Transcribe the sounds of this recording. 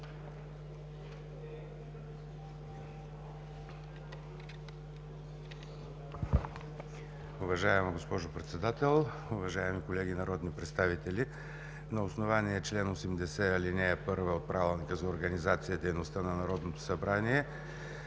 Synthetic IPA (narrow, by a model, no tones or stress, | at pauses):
ʊvɐʒaɛmɡospɔʒʊpɾɛt̪sɛd̪at̪ɛlˠ | ʊvɐʒaɛmikolɛɡinɐɾɔd̪nipɾɛt̪st̪avit̪ɛli | nɐosnovaniɛt͡ʃlɛnosɛmd̪ɛsɛalinɛːpɤɾvɛot̪̚pɾavʲilˠnikəzɐoɾɡɐnizat̪sijəd̪ɛjnost̪ənɐnɐɾɔd̪not̪o̥sɐbɾaniɛ